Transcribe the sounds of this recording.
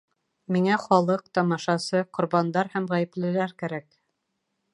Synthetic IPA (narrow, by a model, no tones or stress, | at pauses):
miŋæχɒlˠɤq̚t̪ɑmɑʃɑsɤqŏɾβɑnd̪ɑɾhæmʁæjɘ̆plɘ̆læɾkæɾæk